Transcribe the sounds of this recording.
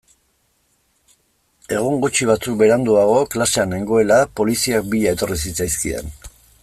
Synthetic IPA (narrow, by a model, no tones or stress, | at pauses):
e̞ɣ̞uŋɡut͡ʃiβ̞at͡suk̚be̞ɾand̪uaɣ̞o̞klaseane̞ŋɡo̞e̞lapo̞lisiak̚biʎae̞t̪o̞ris̬it͡sajskiḛn